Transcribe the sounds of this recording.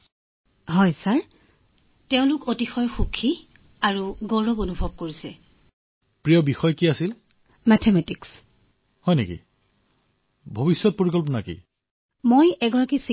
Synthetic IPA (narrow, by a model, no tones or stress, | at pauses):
ɦɔjsaɹ | teʊ̃lʊkotixɔjxukʰːi | aɹuɡɔɹɔbonubʱɔb̚koɹisɛ | pɹijɔbixɔjkiasil | mɛtʰemɛtiks | hɔjnekḭ | bʱobisːɔt̚poɹikɔlpɔnakḭ | mojɛɡɔɹakisi